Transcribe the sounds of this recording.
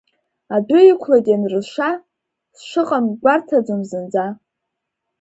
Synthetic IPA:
adʷʊikʷʰladʲʼanrɨʃʷa | sʃʷɨqʼamɡʷartʰad͡zʊmzɨnd͡za

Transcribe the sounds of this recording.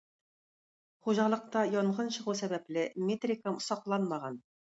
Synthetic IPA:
χuʑɑlˠɤ̆q̚t̪ɑjɒɴʁɤnɕɤ̆ʁusæbæplɘmʲet̪rʲɪkəmsɑqlˠɑnmɑʁɑn

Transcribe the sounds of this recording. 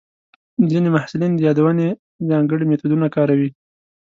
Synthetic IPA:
zinemahsʊlind̪əjɑd̪awəne | zɑŋɡəɽimet̪ud̪unakɑɾawi

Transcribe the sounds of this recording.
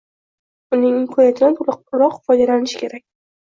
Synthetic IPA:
ʊnɪŋɪmkʰɒjat̪ʰɪd̪anʰʊɾɒqfɒjd̪alanɪʃɪ̥kʲʰe̞ɾakʲ

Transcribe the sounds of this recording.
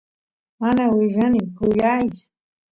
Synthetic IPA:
manawɪʎɑnɪmkʊjajt͡sʊ̥

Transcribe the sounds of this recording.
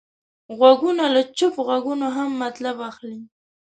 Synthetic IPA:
ɣwaɡunalat͡ʃʊpɣwaɡunoɦamːat̪labaxli

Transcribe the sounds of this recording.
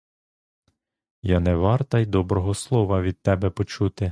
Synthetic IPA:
janɛʋɑrt̪ɐjd̪ɔbɾɔɦɔslˠɔʋɐʋʲid̪̚t̪ɛbɛpɔt͡ʃut̪ɪ

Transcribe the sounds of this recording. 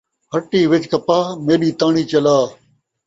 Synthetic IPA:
həʈːiːʋɪt͡ʃkəpaːmeːɗiːt̪ãːɳ̃iːt͡ʃəlaː

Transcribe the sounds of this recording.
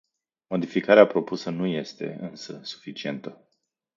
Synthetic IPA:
mo̞d̪ifikaɾeapɾo̞pusənuje̞st̪e̞̰ɨnsəsu̥fit͡ʃie̞nt̪ə

